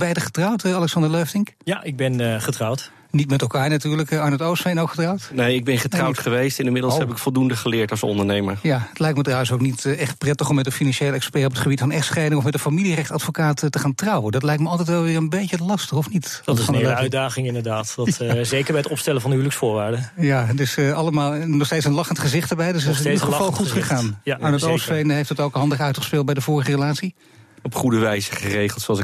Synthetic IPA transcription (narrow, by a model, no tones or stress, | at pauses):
bɛjdəχə̥trɑwtɑlɛksɑndəɹløɥftɪŋkjaʔɪɡ̚bɛnχətrɑwt | nitmɛtɛlˠkaːɹnatyːɹləkɑɹnətowsfejnowkχətrɑwtnejɪɡ̚bɛnχətrɑwtχəʋejstɪnəmɪdlˠshɛpɪkfɔlˠdundəχəlɪːɹtɑlˠsɔ̰ndəɹnejməɹjaətlɛjk̚tmədraːwəs̬owknitɛχt̚prɛtəχɔmɛtənfinɑnʃejlˠɛkspɛɹɔp̬ətχəbitfɑnɛχtsχɛjdɪŋɔfmɛtdəfamilirɛχtsɑtfokaːttːəχaːntrɑwəndɑtlɛjk̚tməɑlˠtɛjtʋɛlˠʋɪːɹənbejcəlɑstəχɔfnittɪnelœdaːχɪŋɪndəɹdaːtdɑtzejkəɹbɛjətɔpstɛləvɑndəɦyləksfʊːɹʋaːɹdəjadɪsɑləmaːlˠnɔχstejtsənlɑχəntχəzɪχtəɹbɛjdøs̬ɪsχəvɑlˠχutχəχaːnmaɹnətosfejnəɦeɪjftətɔwkɦɑndəχœɥtχəspɪːl̚ˠbɛjdəvʊːɹəχərəlaːtsi | ɔpχudəʋɛjzəχərejχəlˠtsoɑlˠsɪk